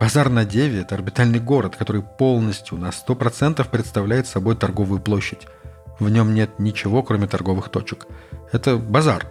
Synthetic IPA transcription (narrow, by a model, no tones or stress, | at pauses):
b̥ɐzarnɐdʲevʲɪɛt̪əɐrbʲɪt̪alʲnɨjɡo̞ɾət̪kɐt̪o̞ɾɨjpo̞lˠnəsʲtʲjʊnɐst̪o̞pɾɐt̪sɛnt̪əfpɾʲɪt̪st̪ɐvlʲæjɪt̪sɐbo̞jt̪ɐrɡo̞vʊjʊplˠo̞ɕːɪtʲ | vnʲo̞mnʲe̞t̪nʲɪt͡ɕɪvo̞kɾo̞mʲɪt̪ɐrɡo̞vɨxt̪o̞t͡ɕɪkɛt̪əbɐzar